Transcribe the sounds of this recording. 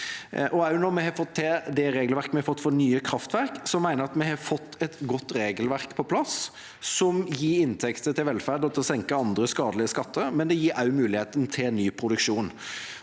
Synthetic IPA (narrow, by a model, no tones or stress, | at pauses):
ʔɔɑʉnɔɾmɛhɑfɔt̪ːɛd̪ɛɾeːɡlʋæɾkəmɛhɑfɔt̪ːfɔnyːəkʰɾɑft̪ʋæɾksɔmːæɪnəɾɑt̪mɛhɑfɔt̪ːɛt̪ɡɔt̪ːɾeːɡəlʋæɾkpʰɔpʰlɑs | sɔmjiːɾɪnt̪ʰɛkt̪ət̪ʰɪlʋɛlfæʁd̪ɔt̪ʰɔsɛŋkəɑnd̪ɾəskɑːd̪lɪəskɑt̪ʰːəɾmɛnd̪ɛjiːɾʔɑʉmʉːlɪheːt̪ənt̪ʰɪnyːpʰɾʊd̪ʉkʂuːn